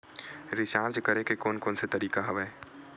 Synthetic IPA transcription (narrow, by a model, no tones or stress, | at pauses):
ɾɪt͡ʃaːɾd͡ʒkəɾekekoːnkoːnset̪ɐɾiːkaɦɐʋɛː